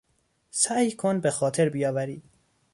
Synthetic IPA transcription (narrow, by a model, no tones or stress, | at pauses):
sæjkʰonbexɒːt̪ʰeɾbijɒːvæɾiːd̪̥